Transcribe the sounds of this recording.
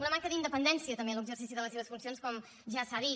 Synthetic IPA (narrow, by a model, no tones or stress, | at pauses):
unəmaŋkəðind̪əpənd̪ɛnsiət̪əmbeləɡzərsisiðələs̬eβəsfunsionskɔm | ʒasaði